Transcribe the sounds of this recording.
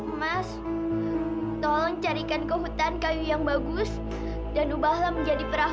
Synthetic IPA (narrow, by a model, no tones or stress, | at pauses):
mas | t̪ɔlɔŋt͡ʃaɾikankəɦut̪ankajujaŋbaɡʊs | danubahlaməɲd͡ʒadipəɾa